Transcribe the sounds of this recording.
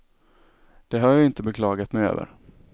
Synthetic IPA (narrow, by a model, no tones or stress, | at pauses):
d̪̥ɛɦaɾjɑɪnt̪əbɛkʰlɑːɡat̪mɛjø̰ːvə̰ɾ